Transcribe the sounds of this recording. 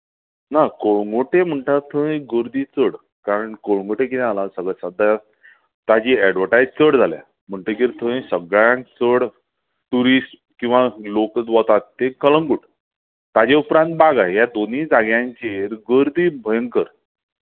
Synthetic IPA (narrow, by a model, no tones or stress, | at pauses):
nakoɭəŋɡoʈem̤əɳʈaɾt̪ʰə̃ɡəɾd̪iːt͡səɽ | kaɾəɳkoɭəŋɡuʈek̬it̪ɛ̃alãsəɡɭasad̪a | t̪ad͡ʑiːɛɖʋəɾʈajd͡ʑt͡səɽd͡zʱalja̰ | m̤əɳʈ̪əkiɾt̪ʰə̃jsəɡɭjãŋkt͡səɽ | ʈuɾisʈ | kĩw̃ʋalokət͡sʋɔt̪at̪t̪ekələŋɡuʈ | t̪ad͡ʑeupɾãnt̪̚baɡajjad̪oniːd͡zaɡjãɲt͡ɕeɾɡəɾd̪iːbʱəjəŋkəɾ